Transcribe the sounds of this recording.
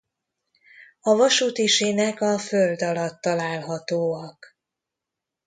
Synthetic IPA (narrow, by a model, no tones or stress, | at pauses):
ɒvɒʃuːt̪iʃeːnɛkɒføld̪ɒlɒt̪ːɒlaːlɦɒt̪oːɒk